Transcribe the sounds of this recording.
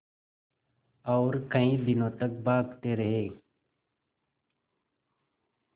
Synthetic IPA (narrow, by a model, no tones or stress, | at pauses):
ɔːɾkəĩːd̪ɪnõːt̪ək̚baːɡt̪eːɾəɦeː